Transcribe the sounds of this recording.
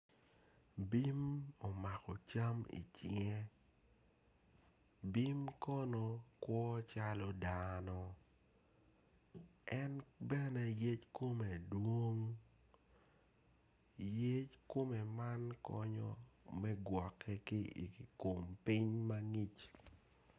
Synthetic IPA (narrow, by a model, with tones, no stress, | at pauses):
bi˦mo˨ma˨kɔ˨t͡ʃa˦mḭ˨t͡ʃie˦ | bi˦mkɔ˦no˨kwɔ˦t͡ʃa˦lɔ˦danɔ˨ | ɛ˦nbɛ˦nɛ˦je˦t͡ʃko˦me˨dwo˦ŋ | je˦t͡ʃko˦mɛ˨ma˦nkɔ̰˦ɲɔ̰˦mɛ˦ɡwɔ˨kʰːɛ˦ki˦ḭ˨ko˨mpi˦ɲma˦ŋi˦t͡ʃ